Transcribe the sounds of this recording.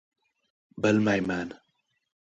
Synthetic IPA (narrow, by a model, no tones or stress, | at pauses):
bəlmajman